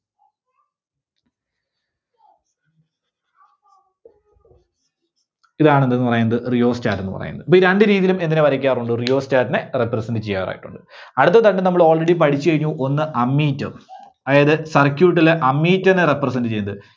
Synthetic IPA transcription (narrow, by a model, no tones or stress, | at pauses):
iðaːɳend̪enːɨpɐrɐjunːɐðɨrijo̞ːst͡ɕaːtːenːɨpɐ̰ɐ̰junɐðɨpːoːiɾeɳɖɨɾiːðijilume̞nd̪ineʋɐɾɐk̬ʲːaːruɳɖɨrijo̞ːst͡ɕaːtːɐnerepːrɐsenɖɨt͡ɕejːa̰ːʋɐɾa̰ːjḭʈːuɳɖɨɐɽɨt̪ːɐt̪ːɐɳɖɨnɐmːɐɭo̞ːɭreɽipɐʈʰit͡ɕːɨkɐɻiɲːuʔo̞nːɨʔɐmːiːtːɐm | ɐðjðɨsɐrkʲjuːʈ̬ːileʔɐmːiːtːɐnerepːrɐs̬ɐndɨt͡ɕe̞jːnɐðɨ